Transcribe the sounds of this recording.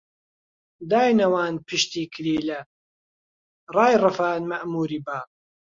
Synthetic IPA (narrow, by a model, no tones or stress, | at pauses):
d̪aːjnɐwaːnpʰɨʃt̪iːkʰɾiːlɐ | rɑːjrɨfaːnmɐʔmuːɾiːbaː